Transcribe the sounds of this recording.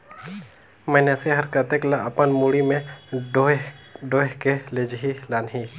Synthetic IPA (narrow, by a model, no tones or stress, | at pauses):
mɛːneseɦəɾkət̪eklaəpənmuɽimẽ | ɖoːkeled͡ʒɦilaːnɦi